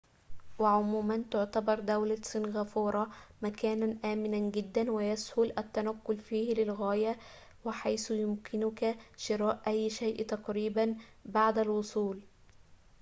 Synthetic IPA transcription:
waʕʊmuːmænt̪ʊʕt̪abɑɾˤd̪awlasˤinɣæfuːɾˤɑmækæːnænʔæːmɪnænɡɪd̪ːænwɪjashʊlʔæt̪ːænæqːʊlfiːhlɪlɣæːjæ | wɪħajsjʊmkʰɪnʊkæʃɪɾɑːʔʔæjːʃajʔt̪ɑqɾiːbanbaʕd̪ælwosˤuːl

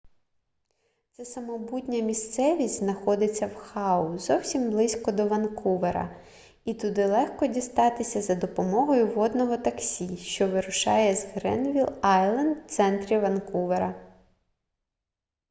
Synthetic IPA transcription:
t̪sɛsɐmɔbutʲnʲɐmʲist̪sɛʋʲisʲtʲzʲnɐxɔd̪ɪt͡sʲːɐwxɑʊzɔwsʲimblˠɪsʲkɔd̪ɔʋɐnkuʋeɾɐ̰ | it̪ʊd̪ɪlˠɛxkɔdʲist̪ɑt̪ɪsʲɐzɐd̪ɔpɔmɔɦɔjʊʋɔd̪nɔɦɔt̪ɐksʲiʃt͡ʃɔʋɪɾʊʃɑ̰jɛzɦɾɛ̰nʋʲilˠɑjlˠɐnd̪t̪sɛnt̪ɾʲiʋɐnkuʋeɾɐ

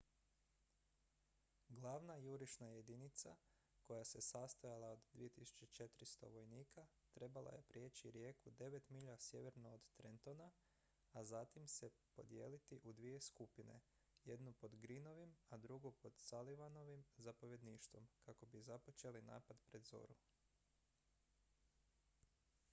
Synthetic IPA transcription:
ɡlˠaːʋnajuɾiʃnaje̞d̪init̪sa | ko̞jase̞sast̪ajalˠaod̪d̪ːʋije̞t̪isu̥t͡ʃet͡ʃe̞t̪ɾist̪o̞̰ʋo̞jniːka | t̪ɾe̞balˠa̰je̞pɾje̞t͡ɕt͡ʃiɾje̞kud̪e̞ʋe̞t̪miʎasje̞ʋe̞ɾnoːd̪t̪ɾent̪o̞na | azat̪imse̞po̞d̪je̞̰ːlit̪iʔud̪ʋije̞skupine̞̰ | je̞d̪nupo̞d̪ɡɾino̞ʋimad̪ɾuɡupo̞d̪saliʋano̞ʋimzapo̞ʋje̞d̪niːʃt̪ʋo̞mkako̞bizapo̞t͡ʃe̞lina̰ːpad̪pɾe̞d̪zo̞̰ɾu

